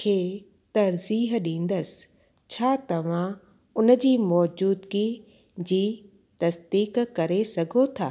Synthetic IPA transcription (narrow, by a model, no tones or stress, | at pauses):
kʰeː | t̪ɐɾziːɦɗĩːn̆d̪əs | t͡ɕʰaːt̪ɐʋ̤ã | ʊnə̆d͡ʑiːmɔːd͡ʑuːd̪ki | d͡ʑiː | t̪ɐsd̪iːkkɐɾesɐɡʱot̪ʰaː